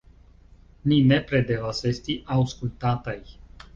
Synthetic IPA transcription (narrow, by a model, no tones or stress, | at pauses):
ninepɾed̪evasest̪iʔawskult̪at̪aj